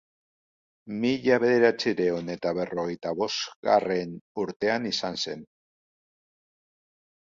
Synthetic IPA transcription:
miʎaβe̞ðe̞ɾat͡siɾe̞une̞t̪aβe̞ro̞ɣ̞e̞jt̪aβo̞sɣa̰re̞nuɾt̪e̞anisanse̞n

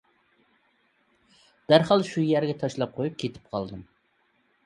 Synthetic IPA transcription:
d̪̥æɾhɑlˠʃujæɾɡʲɛt̪ʰɑʃlˠɑp̚qʰojup̚kʲʰet̪ʰɪ̥p̚qʰɑlˠd̪ɨm

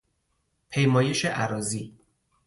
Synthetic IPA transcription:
pʰejmɒːje̞ʃeʔæɾɒːziː

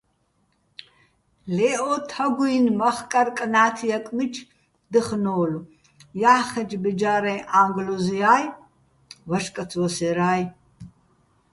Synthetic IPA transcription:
lɛːʔotʰɐɡʷujinmɐχkʼɐrkʼnaːtʰijɐkʼmɨt͡ʃʰ | d̪ɨχnoːlu | jaːχɐd͡ʒbɨd͡ʒaːɾɐjʔaːŋɡluzijaːj | wɐʂkʼɐt͡sʰwɔsɛɾaːj

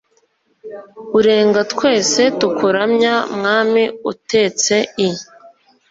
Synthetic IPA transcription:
uɾe̞ːŋɡatkwe̞ːse̞tukʰuɾamɲamŋaːmiute̞ːt͡se̞i

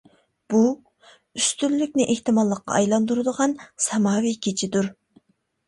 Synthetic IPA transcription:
b̥u | yst̪ylːykʲnɪʔeht̪ɪmɑlˠːəqːɑ̰ːjlˠɑnd̪uɾɨd̪əʁɑnsɛmɑːwikʲʰet͡ʃʰid̪uɾ

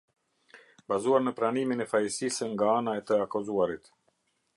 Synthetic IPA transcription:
bazuaɾnəpɾaniminɛfajsisəŋɡaanaɛt̪əakɔzuaɾit̪

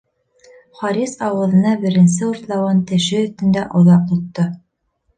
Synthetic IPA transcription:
χɑɾisɑwɤ̆ðɤ̆nɑbɘ̆ɾɘ̆nsɘuɾt̪lˠɑwɑnt̪ɘ̆ʃɘɵ̆θt̪ɘ̆nd̪æʔŏðɑq̚t̪ŏt̪ːɤ

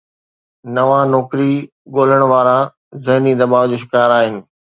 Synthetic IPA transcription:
nɐʋãnɔːkɾi | ɠoːl̤əɽ̃ʋaːɾa | zɐɦnid̪ɐbaːʋd͡ʑoːʃɪkaːɾaːɦɪnɪ̆

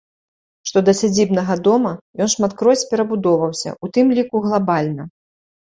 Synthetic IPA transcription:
ʂt̪ɔd̪ɐsʲad͡zʲibnɐɣɐd̪ɔmɐjɔnʂmat̪kɾɔsʲpʲɛɾɐbud̪ɔvɐwsʲɐ̰ut̪ɨmlʲikuɣlˠabalʲnɐ

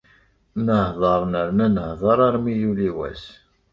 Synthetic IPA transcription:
nəhðˤɑɾˤnəɾnænəhðˤɑɾˤaɾmijuliwæ̰s

